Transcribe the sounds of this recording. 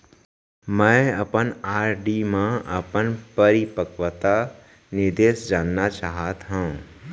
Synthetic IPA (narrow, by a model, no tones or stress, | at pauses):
mɛ̃əpənaːɾɖimẽʔəpənpəɾipəkʋət̪a | nɪɾd̪eːsd͡ʒaːnːat͡ʃaːɦat̪ɦũ